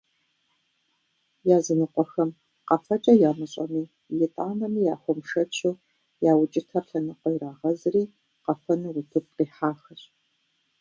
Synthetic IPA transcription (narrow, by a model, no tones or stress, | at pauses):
jaːzɨnɨqʷʼɔxɐm | qɐfɐt͡ʃʼɐjaːmɨɕʼɐ̰miː | jɪtʼaːnɐmiːjaːxʷɔmʂɐt͡ʃʰɨ | jaːwʊt͡ʃʼɪtʰɐrɬɐnɨqʷɔjɾaːʁɐzɨriː | qɐfɐnɨwʊtʰɨp̚qiːħaːxɐɕʼ